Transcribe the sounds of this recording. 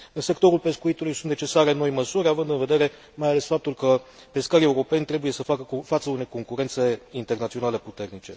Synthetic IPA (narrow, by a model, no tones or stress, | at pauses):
ɨnse̞kt̪o̞ɾulpe̞skuit̪ulujsunt̪net͡ʃe̞saɾe̞no̞jməsuɾʲavɨnd̪ɨnve̞d̪e̞ɾe̞ | majale̞sfap̚t̪ulkə | pe̞skaɾie̞uɾo̞pe̞nʲt̪ɾe̞buje̞səfakəfat̪səune̞jko̞ŋkuɾe̞nt̪se̞int̪e̞rnat̪sio̞nale̞put̪e̞rnit͡ʃe̞